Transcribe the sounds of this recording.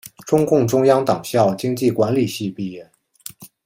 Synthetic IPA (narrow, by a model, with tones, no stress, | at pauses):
ʈ͡ʂʊ˥ŋkʊ˥˩ŋʈ͡ʂʊ˥ŋjɑ˥ŋt̪ɑ˨˩ŋɕjɑ˥˩ʊt͡ɕi˥ŋt͡ɕi˥˩kwa˧˥nli˨˩ɕi˥˧pi˥˧jɛ˥˩n